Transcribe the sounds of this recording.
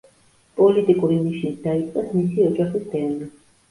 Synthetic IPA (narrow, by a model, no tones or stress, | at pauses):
pʼɔlit̪ʼikʼuɾiniʃnit̪d̪ait̪sʼqʼasmisiɔd͡ʒaχisd̪ɛnli